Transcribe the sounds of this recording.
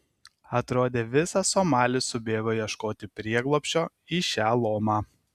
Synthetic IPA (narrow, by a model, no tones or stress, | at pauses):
ɐt̪ɾoːd̪ʲeːʋʲɪsɐsoːmɑːlʲɪsʊbʲeːɡoːjiɛʃkoːt̪ʲɪpʲɾʲiɛɡlˠɔːpʲʃʲt͡ʃʲoː | iʃʲæːlˠoːmɑː